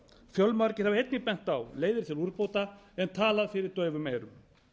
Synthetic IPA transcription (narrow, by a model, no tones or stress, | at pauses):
fjœlmaɾcɪɾ̥havejt̪nɪpɛn̥t̪awleːjðɪɾ̥t̪ʰɪluɾpowt̪a | ɛnt̪ʰaːlaðfɪɾɪɾt̪œːɥvʏmeːjɾʏ̰m